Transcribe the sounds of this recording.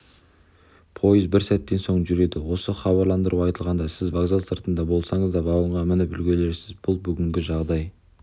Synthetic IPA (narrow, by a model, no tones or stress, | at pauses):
pʰo̞jəzbɪɾsæt̪ːe̞nso̞ɴʒʏɾe̞d̪ɪwo̞səχɑβɑɾlˠɑnd̪əɾuɑjt̪əlˠʁɑnd̪ɑsɪzvaɡzalˠsəɾt̪ənd̪ɑbo̞lˠsɑɴəzd̪ɑbɑw̪ˠəɴʁɑmɪnɪbʏlɡʲe̞le̞ɾsɪzbʊlˠbʏɡʲɪŋɡʲɪʒɑʁd̪ɑj